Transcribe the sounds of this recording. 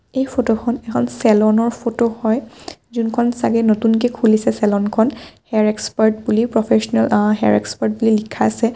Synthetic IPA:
ejpʰotokʰɔnɛkʰɔnsɛlɔnɔɹpʰotohɔjzunkʰɔnsaɡɛnotunk̬ɛkʰulisɛsɛlɔnkʰɔnhɛɹɛkspaɹtbulipɹɔpʰesɔnɛlɦɛɹɛ̰kspaɹt̚bulilikʰaasɛ

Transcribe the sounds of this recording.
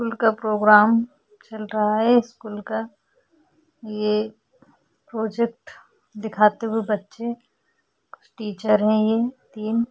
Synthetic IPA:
kuːlkapɾoːɡɾaːm | t͡ʃɐlɾɐɦaɦɛɪskuːlka | je | pɾoːd͡ʒekʈ | d̪ɪkʰaːt̪eɦʊebɐtːʃe | kʊ̥t͡ʃʰʈiːt͡ʃəɾɦɛ̃jet̪iːn

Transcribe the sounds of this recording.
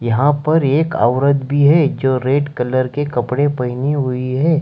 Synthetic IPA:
jɐɦãpɐɾeːka̰ːʋɾəd̪bʱiɦɛd͡ʒoːɾeːʈkɐləɾkekɐpɽẽpɐɪniɦʊiɦɛː

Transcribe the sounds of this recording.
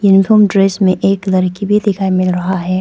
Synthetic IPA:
junɪfʰoːmɖɾeːsmẽʔeːklɐɾkibʱid̪ɪkʰaːimɪlɾɐɦaɦɛː

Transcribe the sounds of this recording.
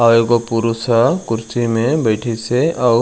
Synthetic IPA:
aoɡopuɾusakʊɾsimẽbəjʈʰisea

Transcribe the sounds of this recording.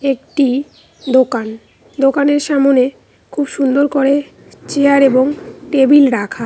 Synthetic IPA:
ekʈi | d̪okan | d̪okaneɾʃamone | kʰubʃund̪oɾkoɾe | t͡ɕeaɾeboŋʈebilɾakʰa

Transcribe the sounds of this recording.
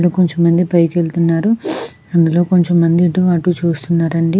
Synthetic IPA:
ɽuko̞ɲt͡ʃomːɐnd̪ipɐjkeɭt̪unːaːɾu | ɐnd̪ulo̞ːko̞ɲt͡ʃomːɐnd̪iʈːuaʈːut͡ʃuːst̪unːaːɾɐɳɖi

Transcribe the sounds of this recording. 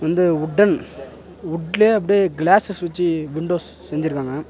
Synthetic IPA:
ʋɐnd̪ɯʊɖːɐn | ʊʈːleːɐp̬ːɐɽiɡlaːsɐsʋɛt͡ʃːɯʋɪɳɖoːs | sɛɲd͡ʒɪɾɯkːaːŋɡɐ

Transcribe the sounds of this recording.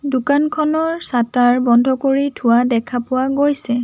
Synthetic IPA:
dʊkankʰɔnɔɹsataɹbɔndʱɔkoɹitʰʊwadɛkʰapʊwaɡojsɛ

